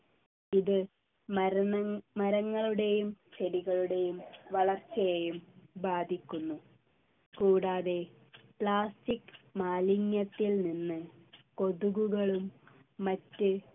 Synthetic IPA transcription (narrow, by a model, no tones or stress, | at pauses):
iðɨ | mɐɾɐŋːɐɭuɽe̞jumt͡ɕeɾiɣɐɭuɽe̞jumʋɐɭɐrt͡ɕɐjejumbaːd̪ʱikʲːunːu | kuːɽaːðe̞ | pɭaːstikːmaːliɲjɐt̪ːilninːɨko̞ðuɣuɣɐɭumː | ɐtːɨ